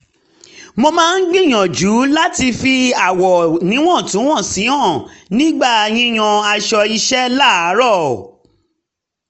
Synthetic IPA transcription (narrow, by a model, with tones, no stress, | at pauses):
mo˧mãː˦˧n̩˦ɡ͡bĩ˦˨j̃ã˨d͡ʒu˨˦la˦ti˧fi˧a˨wɔ˨nĩ˨˦w̃ɔ̃˦˨tũ˨˦w̃ɔ̃˦˨si˨˦ã˦˨nĩ˦ɡ͡ba˦˨j̃ĩ˧˦j̃ã˧a˧ʃɔ˧i˧ʃɛ˦la˦˨a˨˦ɾɔ˦˨